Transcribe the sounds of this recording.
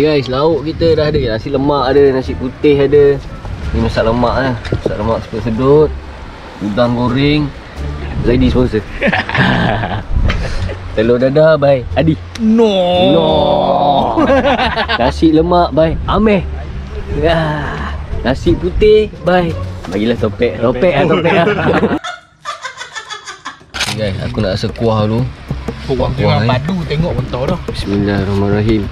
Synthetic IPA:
ɡajslaʊʔkit̪ədaɦdəjanasɪʔləmaʔadənasɪʔput̪ɪɦadəniməsaʔləmaʔahməsa̰ʔləmaʔsə̥pətsədot̪̚ | udaŋɡoɾɪŋ | sadisponsə | t̪əlodadabajadi | nɔnɔ | ŋasiʔləmaʔbajamɛh | a | nasiʔput̪ɪhbajbaɡilaht̪opɛʔt̪opɛʔah̪opɛʔa | ɡaja̰kunaʔsəkuahlukuʔwaŋkuŋapadut̪eŋɔʔkɔnt̪awdɔhbismilahrɔhmaraɦim

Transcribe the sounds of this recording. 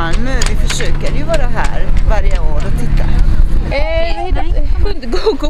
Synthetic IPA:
lmøvɪfœʂøːkəɾjɵvɑːɾaɦæ̰ːɾvaɾjəoːɾɔt̪ʰɪt̪ːa | nd̪ɡoɡ

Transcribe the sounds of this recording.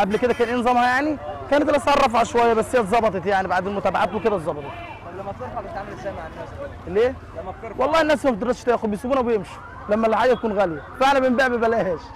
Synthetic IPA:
ʔæblked̪ækæːnʔenzˤɑmhæjaʕnikæːnt̪læt̪sˤɑrˤːɑfhɑʃowæjːæbæsːhejːæt̪zˤɑbɑt̪ˤet̪jaʕnibaʕd̪eːnmʊt̪æːbaʕaːt̪weked̪æt̪zˤɑbɑt̪ˤɑt̪ | et̪ʕamæmʕn | leː | wɑlˤːɑːhenːæːshæfd̪eɾˤɑst̪æːxʊd̪bjesubuːnæwejemʃi̥ | læmːælːħaːɡːæt̪ækuːnɣæljæfeʔnæbembaːʕbebælæːhæːʃ

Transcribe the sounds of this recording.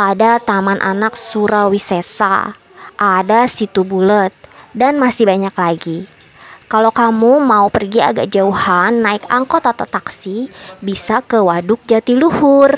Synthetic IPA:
adat̪amanʔa̰naksuɾawisesa̰ | ʔadasit̪ubulət̪̚danmasɪhbaɲaklaɡikalokamumaupərɡia̰ɡa̰k̚d͡ʒauhanːaɪka̰ŋkɔt̪at̪at̪aksibisakəwadʊk̚d͡ʒat̪iluhʊr

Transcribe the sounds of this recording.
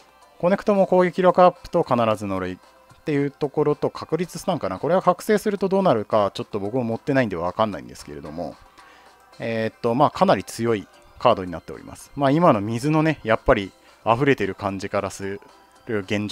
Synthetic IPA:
ko̞ne̞kɯ̟̥t̪o̞mo̞ko̞ːɡekʲiɾokɯ̟apːɯ̟̥t̪o̞kanaɾazɨno̞ɾɯi | t̪ːe̞jɯ̟ːt̪o̞ko̞ɾo̞t̪o̞kʰakɯ̟ɾʲit͡sɨ̥ɕt̪ãŋkanako̞ɾe̞βakakɯ̟̥se̞ːsɨɾɯ̟t̪o̞d̪o̞ːnaɾɯ̟kat͡ɕo̞t̪ːo̞bo̞kɯ̟mamo̞t̪ːe̞naĩnd̪e̞aβakãnːa̰ḭ̃nd̪e̞sɨ̥ke̞ɾe̞d̪o̞̰mo̞̰ | et̪ːo̞maːkʰanaɾʲit͡sɨjo̞i | kʰaːd̪o̞ɲ̟inat̪ːe̞oɾʲḭmʔa̰sɨ̥maːimano̞mʲizɨno̞ne̞japːaɾʲi | aɸɯ̟ɾe̞t̪e̞ɾɯ̟kãɲ̟d͡ʑikaɾasɨ | ɾɯ̟ɡẽ̞ɲ̟

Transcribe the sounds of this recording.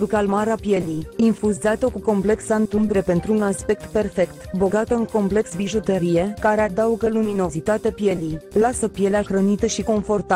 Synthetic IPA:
ɾukalmaɾapje̞lijinfuzat̪okuko̞mple̞ksant̪umbɾe̞pe̞nt̪ɾuunaspe̞k̚t̪pe̞rfe̞kt̪bo̞ɡat̪əɨŋko̞mple̞ksbiʒot̪əɾije̞kaɾead̪auɡəlumino̞zit̪at̪epje̞lijlasəpje̞leaxɾənit̪əʃiko̞ɱfo̞rt̪a

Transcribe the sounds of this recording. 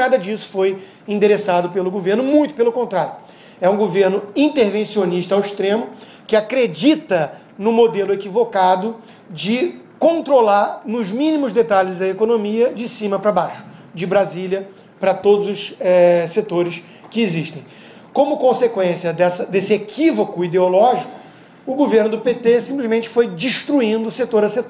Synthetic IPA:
ad̪ɐd͡ʒisʊ̥foj | ĩd̪eɾesad̪ʊpelʊɡoveɾnʊmũj̃t̪ʊ̥pelʊkõnt̪ɾaɾjʊ | ɛũɡoveɾnʊĩnt̪eɾvẽsioniʃt̪ɐawiʃt̪ɾẽmʊ | kɪakɾed͡ʒit̪ɐ | nʊmod̪elʊekivokad̪ʊ | d͡ʒɪkõnt̪ɾolaɾnʊzmĩnimʊzd̪et̪alɪzɐekonomiɐd͡ʒɪsĩmɐpɾɐbajʃʊ̥d͡ʒɪbɾazilʲjɐ | pɾɐt̪od̪ʊzʊsɛset̪oɾɪs | kɪeziʃt̪ẽj̃ | kõmʊkõsekwẽsiɐd̪ɛsɐd̪esɪekivokʊid̪eolɔʒikʊ | ʊɡoveɾnʊd̪ʊpet̪esĩmplɪzmẽt͡ʃɪ̥fojd͡ʒiʃt̪ɾuĩnd̪ʊːset̪oɾɐset̪

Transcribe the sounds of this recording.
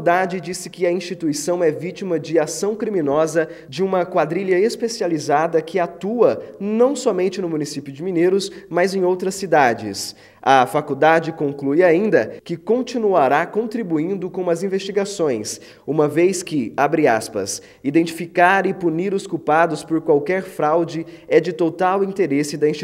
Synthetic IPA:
d̪ad͡ʒɪd͡ʒisɪkɪɐĩst͡ʃit̪uisɐ̃w̃ɛvit͡ʃimɐd͡ʒɪasɐ̃w̃kɾimĩnɔzɐ | d͡ʒɪũmɐkwad̪ɾiʎɐespesializad̪ɐkʰɪat̪uɐnɐ̃w̃sɔmẽnt͡ʃɪnʊmũnisipjʊd͡ʒɪminejɾʊsmajzẽj̃owt̪ɾɐsːid̪ad͡ʒɪ̰s | ɐfakud̪ad͡ʒɪkõŋklujaĩnd̪ɐkɪkõnt͡ʃinuaɾakõnt̪ɾibuĩnd̪ʊkõũmɐzĩvest͡ʃiɡasõj̃s | ũmɐvejskɪabɾia̰spɐ̰s | id̪ẽnt͡ʃifikaɾɪpuniɾʊskupad̪ʊspoɾkwawkɛɾfɾawd͡ʒɪ | ɛd͡ʒɪt̪ot̪awĩnt̪eɾesɪd̪ɐĩsʃt͡ʃ

